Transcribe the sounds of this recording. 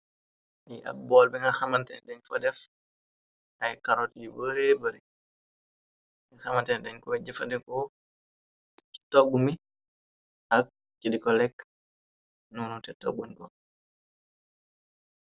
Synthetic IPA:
iʔa̰bɔlbɛŋɡaxamantɛ̰ndɛɲfɔdɛf | ajkaɾɔtlibəɾebəɾi | ŋɡaxamantɛndɛɲkɔwɛd͡ʒɛfadɛŋkɔ | i̥tɔɡumi | ʔak̚ | t͡ʃidikɔlɛkː | nunutɛtɔ̰ɡunkɔ

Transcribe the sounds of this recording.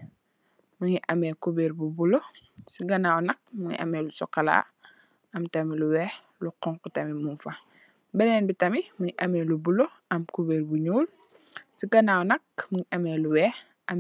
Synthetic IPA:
muɲiʔɐmɛkubeːɾbubulosiɡɐnaːwnɐk̚muɲḭʔɐ̰mɛːlusɔ̰kːɐla̰ː | ɐmtɐmiluwɛː | luqɔŋkutɐmimunfɐ | bɛnɛːnbitɐmimuɲiʔɐmɛlubulo | ɐmkubeːrbuɲuːl | siɡɐnawnɐk̚muŋiʔɐmɛluwɛː | ʔɐm

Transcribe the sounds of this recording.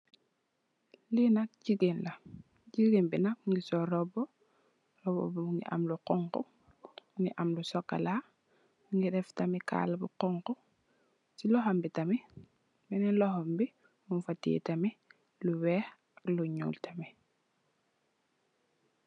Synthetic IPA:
linak̚ɟiɡenlɐ | ɟiɡenbinak̚ŋɡisɔɾɔbɔ | rɔbɔ̰buŋɡḭʔɐ̰mluqɔŋkɔ̰ | ŋiʔɐmlusɔkːa̰la | buŋɡidɛftɐmika̰lbuqɔŋkɔ | silɔɦɐmbitɐmi | binɛlɔhombi | mumfatḭːtɐmi | luwɛːx | akluɲṵːltami

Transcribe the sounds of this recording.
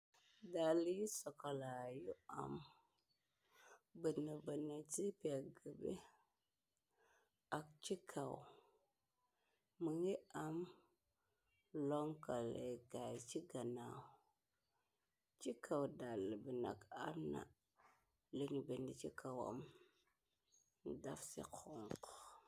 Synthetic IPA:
dalijisokalajua̰m | bənəbənət͡ʃipaɡəbḛ | ak̚t͡ʃikʰaw | məŋiam | loŋkaleɡat͡ʃiɡana | t͡ʃikʰawdaləbəna̰kaɾna̰ | lənbənit͡ʃikawa̰m | dafsḭkʰoŋk

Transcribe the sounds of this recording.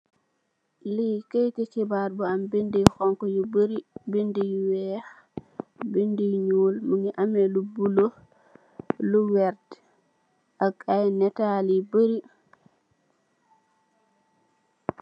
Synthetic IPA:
likejtekibaɾbɔambendihɔŋkɔjubəɾibendijwɛx | bendiɲuːlmuŋɡiʔamɛlubulo | luwɛɾt | ʔakajnɛtalibəɾi

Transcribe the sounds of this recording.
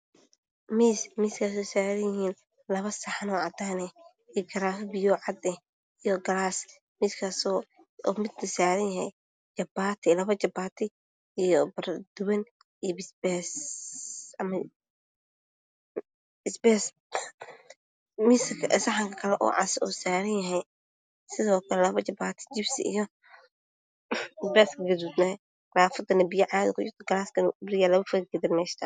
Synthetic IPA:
miːsmiːskʰaːsɔsaːɾɐnjɪhiːn | lɐβɐsɐħanɔːʕɑd̪aːnɛ | ijɡɐɾaːfbɪjɔːʕɑd̪ɛ | ijɔɡɐɾaːs | miːskʰaːsɔ | ɔ̰ːmɪd̪ɐsaːɾɐnjɐhɛj | t͡ʃɐbaːt̪ʰɛlɐβɐt͡ʃɐbaːt̪ʰɪ | ijɔbɐrd̪̥ʊwɐn | ijbɪsbɛs | ɐmɐ | bɪsbɛːs | mɪsɐkʰɐʔɪsɐħɐŋkʰɐkʰɐlɛʔɔ̰ːʕɑ̰sɪɔːsaːɾɐnjɐɦɛj | sɪðɔːkʰɐlɛlɐβɐt͡ʃɐbaːt̪ʰɪ̥d͡ʒɪbsɪ̰ʔḭjɔ | sbɛːskɐɡɐd̪ud̪nɐ | ɡɾaːfɐd̪ɐnɐbɪjɐʕaːðɪkʰʊjɪɾt̪ʰɐɡɐlaːskɐbɾɪjaːlɐβɐfɐɡɐdɪnmɛːʃt̪ʰɐ

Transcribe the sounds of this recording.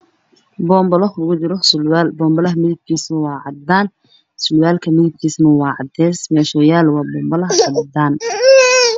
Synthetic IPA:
bɔːmbɐlɔhʊɣʊd͡ʒɪɾɔsʊlwaːlbɔːmbɐlɐɦɐmɪðɪb̚kʰiːsnɐwɑːʕɑd̪aːn | sʊlwaːlkʰɐmɪðɪb̚kʰiːsnɐwɑːʕɑd̪ɛːsmɛʃɔːjaːlwɑːbɔːmbɐlɐɦɐɐbɐd̪aːn

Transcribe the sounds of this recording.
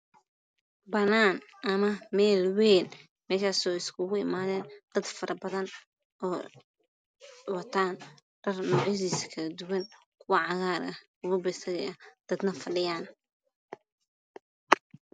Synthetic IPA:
bɐnaːn | ʔɐmɐmɛːlwɛːn | mɛːʃaːsɔːɪskʰʊɣʊɪmaːðɛːnd̥̪ɐd̪fɐɾʔɐbɐðɐn | ʔɔː | wɐt̪ʰaːn | r̥ɐrnɔːʕjɐðiːsɐ̥kʰɐlɐd̪ʊwɐn | kʰʊwɐʕɑɣaːɾɐ | ʊβʊbɐɪsɐɣɐɐd̪̥ɐd̪nɐfɐɖɪjaːn

